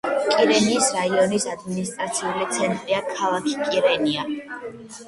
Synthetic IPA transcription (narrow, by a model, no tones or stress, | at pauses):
kʼiɾɛniːsɾaiɔnisad̪minist̪ʼɾat̪sʰiulit̪sʰɛnt̪ʼɾiakʰalˠakʰi̥kʼiɾɛnia